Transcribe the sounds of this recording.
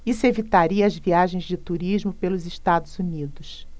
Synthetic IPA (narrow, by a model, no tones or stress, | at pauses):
isevit̪aɾiɐːzviaʒẽj̃zd͡ʒɪt̪uɾiʒmʊpelʊzɪʃt̪ad̪ʊzunid̪ʊs